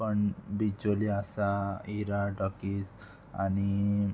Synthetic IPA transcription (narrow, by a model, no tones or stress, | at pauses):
pəɳbid͡ʒoliasaiɾaɖɔkis | a̰ni